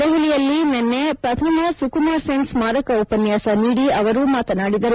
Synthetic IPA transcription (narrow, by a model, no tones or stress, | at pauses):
t̪eʋulijɐlːinenːepɾɐt̪ʰɐmɐsukumaːɾsensmaːɾɐkɐupɐnjaːsɐniːɽiɐʋɐɾumaːt̪ɐnaːɽid̪ɐɾu